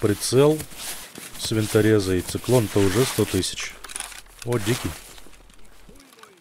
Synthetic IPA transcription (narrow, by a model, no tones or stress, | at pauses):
pɾʲɪt̪sɛlˠ | sʲvʲɪnt̪ɐɾʲezɐit̪sɨklˠont̪əʊʐɛst̪ot̪ɨsʲɪ̥t͡ɕ | odʲikʲɪ